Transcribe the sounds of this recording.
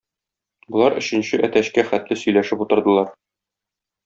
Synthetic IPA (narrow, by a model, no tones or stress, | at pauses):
bŏlˠɑɾɵ̆ɕɘ̆nɕɘʔæt̪æɕkæχæt̪lɘsɵ̆jlæʃɘput̪ɤ̆ɾd̪ɤ̆lˠɑɾ